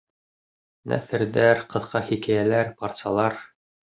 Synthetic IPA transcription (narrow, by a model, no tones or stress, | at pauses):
næ̰θɘ̆ɾðæɾqɤ̆ðqɑhikæjælæɾpɑɾt̪sɑlˠɑɾ